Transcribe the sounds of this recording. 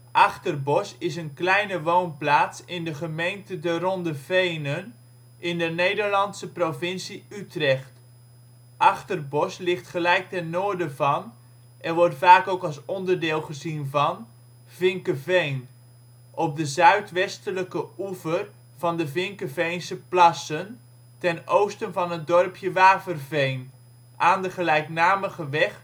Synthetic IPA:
ʔɑχtərbɔsɪs̬ənklɛjnəʋownplaːtsɪndəχəmejntədərɔndəvejnən | ʔɪndənejdəɹlɑnsəprovɪnsiytrɛχt | ʔɑχtərbɔslɪχtχəlɛjk̚tɛnːoːɹdəvɑn | ʔɛnʋɔɹtfaːkowkɑlˠsɔndəɹdɪːlˠχəzinvɑn | vɪŋkəvejn | ʔɔp̚dəzœɥtʋɛstələkəuvər | v̥ɑndəvɪŋkəvejnsəplɑsən | tɛnowstənvɑnɦətdɔrpʰjəʋaːpərvejn | ʔaːndəχəlɛjknaːməχəʋɛχ

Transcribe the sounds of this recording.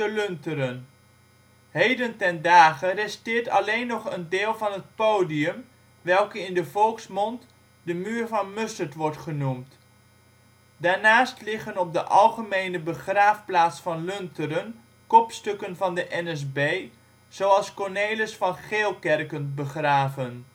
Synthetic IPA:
əlɵntəɾən | hejdəntɛndaːχərɛstɪːɹtɑ̰lejnːɔχəndeːlˠvɑnɦət̚powdiəm | ʋɛlˠkəɪndəvɔlˠksmɔnt | dəmyːɹvɑnmɵstəɹtʋɔɹtχənumt | daːɹnaːstlɪχənɔb̚dəʔɑlˠχəmejnəbəχraːfplaːtsfɑnlɵntəɾən | kɔpstɵkənvɑndəʔɛnɛsbej | z̥owɑlˠskɔɹnejləsfɑnχeːlˠkɛrkənbəχraːvən

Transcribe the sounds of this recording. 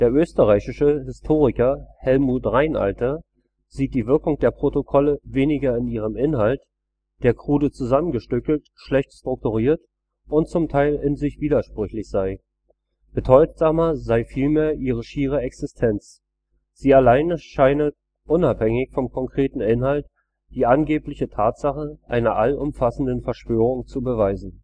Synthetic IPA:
d̥eːɐʔøːstəʁaɪçɪʃəhɪstʰoːʁɪkɐhɛlmuːtʁaɪnʔa̰ltɐ | z̥iːt̚d̥iːvɪɐkʊŋd̥eːɐpʁ̥otokʰɔləveːnɪɡɐɪniːʁəmʔɪnhalt | d̥eːɐkʁ̥uːdət͡suzamənɡəʃtʏkl̩t | ʃlɛçtstʁ̥ʊk̚tuʁiːɐt | ʔʊntt͡sʊmtʰaɪlɪnzɪçv̥iːdɐʃpʁ̥ʏçlɪçz̥aɪ | b̥ədɔʏtz̥aːmɐzaɪfiːlmeːɐʔiːʁ̞əʃiːʁ̞əɛksɪstʰɛnt͡s | z̥iːalaɪnəʃaɪnə | ʔʊnaphɛŋɪçfɔmkʰɔŋkʁ̥eːtn̩ɪnhalt | d̥iːʔanɡeːplɪçətʰaːtz̥aχəʔa̰ɪnɐʔalʔʊmfasn̩dənfɛɐʃv̥øːʁ̞ʊŋt͡subəvaɪzn̩

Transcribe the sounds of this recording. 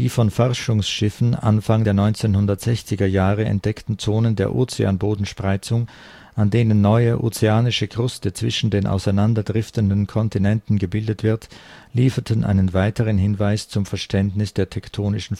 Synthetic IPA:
d̥iːfɔnfɔʁʃʊŋsʃɪfn̩ʔa̰nfaŋdeːɐnɔʏnt͡seːnhʊndɐtz̥ɛçt͡sɪɡɐjaːʁəɛ̰nt̚d̥ɛktn̩t͡soːnəndeːɐʔo̰ːt͡sea̰ːnboːdn̩ʃpʁ̥aɪt͡sʊŋ | ʔandeːnənːɔʏəʔo̰ːt͡seaːnɪʃəɡʁ̥ʊstət͡sv̥ɪʃn̩deːnʔa̰ʊsaɪnandɐdʁɪftəndən̩kʰɔntinɛntn̩ɡəbɪldətv̥ɪɐtliːfɐtʰənʔa̰ɪnənvaɪtʰəʁ̞ənɦɪnvaɪst͡sʊmfɛɐʃtʰɛntnɪsd̥eːɐtʰɛktʰoːnɪʃn̩

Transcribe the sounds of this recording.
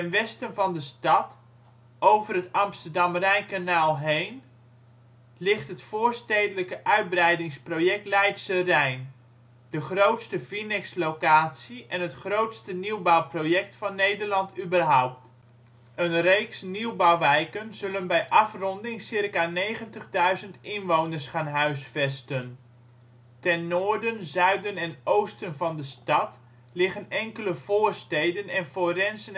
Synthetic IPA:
tɛnʋɛstənvɑndəstɑt | ʔowvərɦətɑmstəɹdɑmrɛjkanaːlˠɦejn | lɪχtɦətfoːɹstejdələkəʔœɥd̚brɛjdɪŋsprowjɛk̚tlɛjtsərɛjn | d̥əχrowtstəfinɛkslowkaːtsiʔɛnɦətχrowtstəniwbawprowjɛk̚tfɑnːejdəɹlɑntybərɦɔwp̚t | ənrejksniwbawʋɛjkənzɵlənbɛjʔɑfrɔndɪŋsɪrkaneːχəntəχdœɥzəntɪnʋownərsχaːnɦœɥsfɛstən | tɛnːoːrdənzœɥdənɛnowstənvɑndəstɑt | lɪχənɛŋkələv̥oːrstejdənɛnforɛnsən

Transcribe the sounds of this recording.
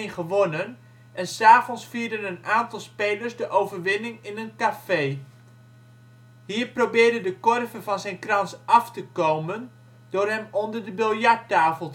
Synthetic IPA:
nχəʋonən | ʔɛnsaːvɔnsfiːɹdənənaːntɑlˠspejləɹsdəʔowvərʋɪnɪŋɪnənkafej | ɦiːɹprowbɪːɹdəndəkɔrvəvɑnzɛjnkrɑnsɑftəkowmən | d̥ʊːrɦɛmɔndəɹdəbɪlˠjɑɹtːaːvəlˠ

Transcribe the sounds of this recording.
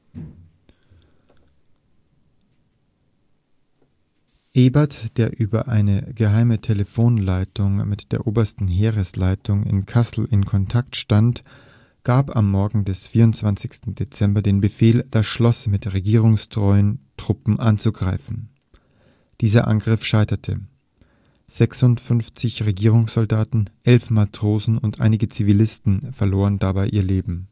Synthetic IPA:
ʔeːbɐtd̥eːɐʔyːbɐ̰ʔaɪnəɡəɦaɪmətʰeləfoːnlaɪtʊŋmɪtd̥eːɐʔoːbɐstn̩ɦeːʁəslaɪtʰʊŋɪ̰nkʰasl̩ʔɪ̰nkʰɔntʰaktʃtant | ɡ̥aːpa̰mːɔɐɡŋ̩dɛsfiːɐʊntt͡sv̥ant͡sɪçstn̩det͡sɛmbɐdeːnbəfeːld̥asʃlɔsmɪtʁeɡiːʁ̞ʊŋstʁ̥ɔʏəntʁ̥ʊpm̩ʔant͡suɡʁaɪfn̩ | d̥iːzɐ̰ʔa̰nɡʁɪfʃaɪtɐtʰə̰ | z̥ɛksʊntfʏnft͡sɪçʁeɡiːʁ̞ʊŋsz̥ɔldaːtn̩ʔɛlfmatʁ̥oːzn̩ʊntʔa̰ɪnɪɡət͡sivilɪstn̩fɛɐloːʁəndabaɪʔiːɐleːbm̩

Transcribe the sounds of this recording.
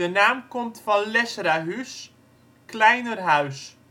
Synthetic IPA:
ənaːmkomtfɔnlɛsraɦys | klɛjnərɦaɥs

